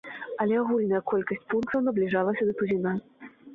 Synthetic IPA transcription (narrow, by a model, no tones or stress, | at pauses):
ɐlʲɛaɣulʲnɐjɐkɔlʲkɐsʲt͡sʲpunkt̪ɐwnɐblʲiʐalˠɐsʲɐd̪ɐt̪uzʲina